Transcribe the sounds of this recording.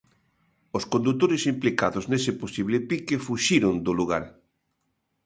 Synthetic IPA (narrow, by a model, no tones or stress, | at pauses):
oskõnd̪ut̪oɾɪsimplikaðoznesɪposiβlepikefuʃiɾond̪oluɣ̞aɾ